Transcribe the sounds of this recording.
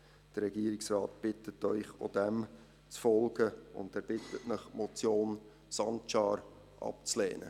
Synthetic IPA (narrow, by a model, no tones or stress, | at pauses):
d̥ərɾɛɡiːəɾɪksrɑːtb̥ɪtətœʏχo̰dɛm | t͡sfɔlɡəʊ̰ndɛːɾb̥ɪtʰətnəχmɔt͡sjoːn | sɑnt͡ʃɑːɾ | ʔɑ̰pt͡slɛ̰ːnə̰